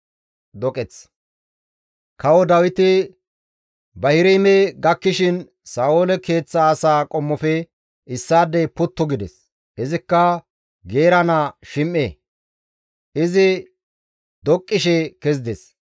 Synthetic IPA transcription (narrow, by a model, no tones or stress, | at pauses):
d̪ɔkʼɛt͡s | kɐwɔd̪ɐwɪt̪ɪ | bɐhɪɾɛjmɛɡɐkːɪʃɪn | saːwolɛke̞ːt͡sːɐːsaːkʼɔmːɔfɛ | ɪsːaːd̪ɛpʊt̪ːɔɡɪd̪ɛ̰s | ʔɪzɪkːɐ | ɡeːɾɐnaʃɪmʔeː | ʔɪzɪ | d̪ɔkʼːɪʃɛkɛzd̪ɛs